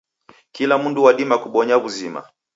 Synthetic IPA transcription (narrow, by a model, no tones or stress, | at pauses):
kilam̩nduwaɗimakuɓɔɲaβuzima̰